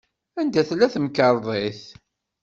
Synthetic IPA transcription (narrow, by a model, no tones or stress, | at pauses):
ænd̪æθlːæθəmkəɾˤðˤeθ